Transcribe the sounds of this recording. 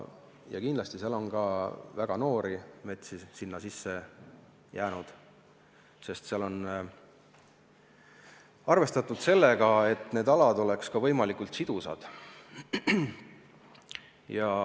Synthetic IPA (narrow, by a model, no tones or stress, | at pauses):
jɑ̰kind̪lɑst̪iselo̞nɡɑvæɡ̥ɑno̞ːɾime̞t̪sisinːɑsisːe̞ | jæːnud̪̥ | se̞st̪seɑlo̞n | ɑrve̞st̪ɑt̪ːˑud̪̥se̞lːeɡ̥ɑe̞t̪ːne̞ːd̪ɑlɑd̪̥o̞le̞kskɑvɤjmɑlikult̪sid̪̥usɑ̰d̪̥ | jɑ